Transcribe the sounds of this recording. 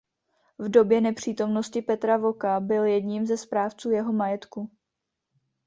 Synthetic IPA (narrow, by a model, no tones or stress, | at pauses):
vdo̞bjɛnɛpr̝̥iːt̪o̞mno̞scɪpɛt̪ɾavo̞kabɪljɛdɲimzɛspɾaːft͡suːjɛɦo̞majɛt̪ku